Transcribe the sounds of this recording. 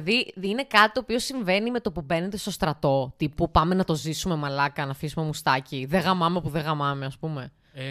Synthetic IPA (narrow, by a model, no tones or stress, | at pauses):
ðiine̞kɐt̪i̥t̪oːpio̞siɱve̞nime̞t̪o̞pube̞ne̞t̪e̞st̪o̞st̪ɾɐt̪o̞t̪ipupɐme̞nɐt̪o̞zisume̞mɐlɐkɐnɐfisume̞must̪ɐciðeɣɐmɐme̞puðeɣɐmɐme̞ɐspume